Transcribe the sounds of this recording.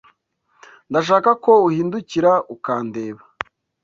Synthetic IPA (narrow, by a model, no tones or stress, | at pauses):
ndaʃ̬aːkako̞uhiːnduciɾaukaːnde̞ːβa